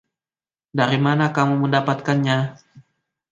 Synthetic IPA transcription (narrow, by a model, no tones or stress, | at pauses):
daɾimanakamuməndapat̪̚kanɲa